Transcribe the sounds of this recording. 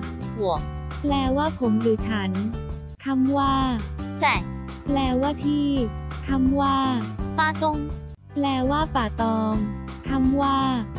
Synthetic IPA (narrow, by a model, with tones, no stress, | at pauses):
hu˨˩˦ək̚plɛː˧waː˥˩pʰo˩˦mluː˨˩t͡ɕʰa˦˥n | k̪ʰa˧˥mwaː˥˩sɛ˨˩ | plɛː˧waː˥˩t̪ʰiː˥˩k̪ʰa˧˥mwaː˥˩paː˧˩t̪o˧˥ŋ | plɛː˧waː˥˩paː˨˩t̪ɔː˧ŋt̪ʰa˧˥mwaː˥˩